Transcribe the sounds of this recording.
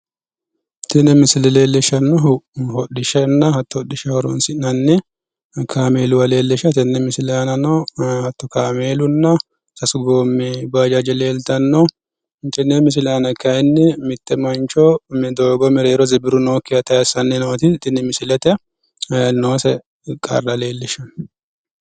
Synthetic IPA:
t̪ʰɪnːɛmɪsɪlɛleːlːɛʃɐnːɔhɔɗːɪʃɐnːɐhɐt̪ːɔhɔɗːɪʃɐhɔɾɔ̰nsɪnɐnːɛ | kʰaːmeːlʊwɐleːlːɛʃɐt̪ɛnːɛmɪsɪlɛɐnɐnɔhɐt̪ːɔkaːmeːlʊnːɐ | sɐsʊɡoːmːɛbaːd͡ʒɐd͡ʒɛle̞ːlt̪ɐnːɔ | t̪ɛnːɛmɪs̬ɪlaːnɐkːɐɛnːɪmɪt̪ːɛmɐnt͡ʃɔmɛd̪oːɡɔmɛɾeːɾɔzɛbɪɾʊnoːkːɪjɐt̪ɐjɐsɐnːɛnoːt̪ɪt̪ɪnːɪmɪsɪlɛt̪ɛ | noːsɛ | kʼɐ̰rːɐle̞ːlːɪʃɐn

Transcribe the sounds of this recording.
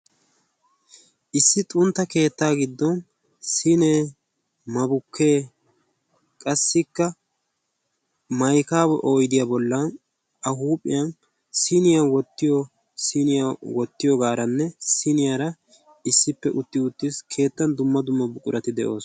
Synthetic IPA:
ʔɪsːɪt̪ʼʊnt̪ːɐke̞ːt̪ːaːɡɪd̪ːɔn | sɪneː | mɐbʊkʰːe̞ː | kʼɐsːɪkːɐ | mɐjkaːwɛʔo̞ːjd̪ɪjaːbɔlːɐn | ʔɐɦuːpʼːɪ̰jɐn | sɪnɪjɐwɔt̪ːɪjɔ | sɪnɪjawɔt̪ːɪjɔɡaːɾɐnːɛsɪnɪjaɾɐ | ɪsːɪpːɛʔʊt̪ːɪʊt̪ːiskʰe̞ːt̪ːɐnd̪ʊmːɐd̪ʊmːɐbʊkʼʊɾɐt̪ɪd̪ɛʔo̞ːs

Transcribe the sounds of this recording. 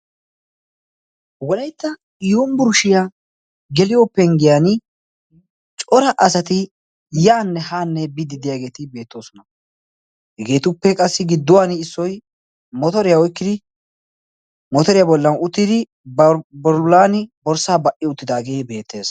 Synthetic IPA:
wɔlɐjt̪ːɐ | jombʊɾʊʃɪja | ɡɛlɪjɔpːɛŋɡɪjan | t͡ʃʼɔɾɐʔɐsɐt̪ɪ | jaːnːɛhaːnːɛbɪd̪ɪd̪ɪjaːɡe̞ːt̪ɪbe̞ːt̪ːo̞ːsɔnɐ | hɛɡe̞ːt̪ʊpːɛkʼɐsːɪɡɪd̪ːʊwaːnɪɪsːɔj | mɔt̪ɔɾɪjawɔjɪkːɪd̪ɪ | mɔt̪ɔɾɪjabɔlːɐnʊt̪ːɪd̪ɪ | bɔɾlaːnɪbɔɾsaːbɐʔɪʊt̪ːɪd̪aːɡe̞ːbe̞ːt̪ʰːe̞ːs

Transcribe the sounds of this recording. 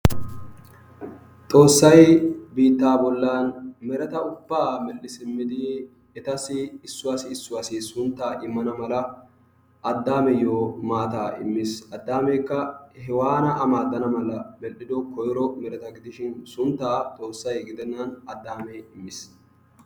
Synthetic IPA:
t̪ʼo̞ːsːɐjbiːt̪ːaːbɔlːaːnmɛɾɛt̪ɐʊbːaːmɛlɪsɪmːɪd̪ɪ | ɛt̪ɐsɪːsːʊwaːsɪːsːʊwaːsɪsʊnt̪ːaːʔɪmːɐnɐmɐlɐ | ʔɐd̪ːaːmɛjoːmaːt̪aːɪ̰mːɪsɐd̪ːaːmeːkːɐhɛwaːnɐʔɐmaːd̪ːɐnɐmɐlɐmɛlʔɪd̪ɔkɔjɾɔmɛɾɛt̪ɐɡɪd̪ɪʃɪnsʊnt̪ːaːt̪ʼo̞ːsːɐjɡɪd̪ɛnːɐnɐd̪ːaːmɛɪmːɪs

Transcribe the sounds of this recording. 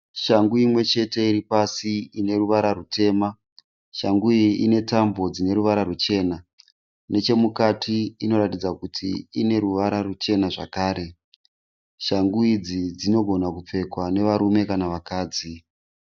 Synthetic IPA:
ʃaŋɡuimwe̞t͡ʃe̞te̞iripasiine̞ruʋaɾarutʰe̞ːma | ʃaŋɡuiine̞tambo̞d͡zine̞ɾuʋaɾarut͡ʃe̞ːna | ne̞t͡ʃe̞mukatiino̞ratid͡zakutʰḭine̞ɾuʋaɾarut͡ʃe̞naʐa̰kaːɾe̞ | ʃaŋɡuid͡zid͡zino̞ɡʱo̞nakup͡fe̞kwane̞ʋaɾume̞kanaʋakaːd͡zi

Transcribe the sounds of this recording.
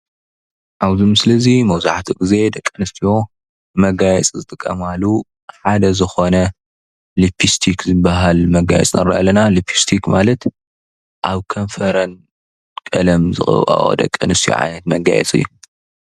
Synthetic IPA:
ʔawzɨmsɨlɐzimɐwzaħt̪ʰiɡize̞d̪ɐkʼːɐnɨst̪ʰijo | mɐɡajɛt͡sʼzɨt̪ʼɨkʼːɐ̰malːu | ħad̪ɐzɨxo̞nɐ | lipʰist̪ʰikzɨbːaɦalmɐɡa̰jɛ̰t͡sʼnɐ̰ɾɐʔɐlːɐnalipʰist̪ʰikmalɐt̪ | ʔaβkʰɐnfɐɾɐn | kʼɐlɐmzɨxʼɐ̰ʔo̰d̪ɐ̰kʼːɐnɨst̪ʰijo̰ʕa̰jnɐt̪mɐɡa̰jɛ̰t͡sʼɨ̰jːu

